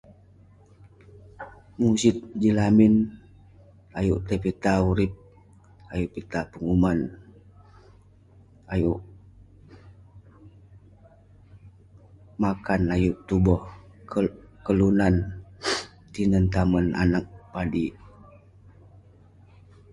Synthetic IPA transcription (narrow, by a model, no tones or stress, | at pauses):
musit̪̚d͡ʒilamin | ajuʔt̪əpit̪auɾip̚ | ajuʔpit̪apəŋuman | ajuʔ | makanajuʔt̪ubɔh | kəlunan | t̪inənt̪aməna̰nak̚padi